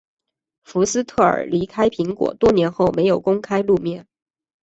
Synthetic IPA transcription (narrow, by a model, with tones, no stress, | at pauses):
fu˧˥sɹ̩˥t̪ʰɤ˥˩ə̰˞˨˩li˧˥kʰa˥ɪpʰi˧˥ŋkwɔ̰˨˩t̪wɔ˥njɛ˧˥nxo˥˩ʊme˧˥ɪjo˨˩ʊkʊ˥ŋkʰa˥ɪlu˥˧mjɛ˥˩n